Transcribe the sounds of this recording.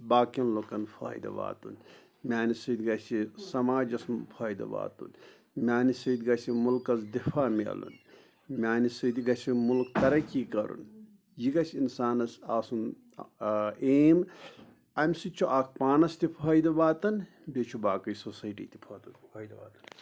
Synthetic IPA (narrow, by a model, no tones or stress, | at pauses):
baːkɐnlokɐnpʰa̰ːjd̪ɐ̰ba̰ːt̪ṵn | mʲaːnisɨd̪ɡɐsʲisɐmaːd͡ʒɐsmpʰaːjd̪ɐ̰ba̰ːt̪ṵn | mʲaːnisɐd̪ɡɐsʲimulkɐzd̪ifʰaːmḛlṵn | mʲaːnisɐd̪ɡɐsʲimulkt̪ɐɾɐkiːkɐɾṵn | jiɡɐsʲinsaːnɐsaːsun | eːm | ɐmʲsit͡ʃʰuʔaːkʰpaːnɐst̪ipʰaːjd̪ɐbaːt̪ɐn | bet͡ʃʰubaːkɐjsosɐjʈḭːt̪i̥pʰɐːt̪ːt̪n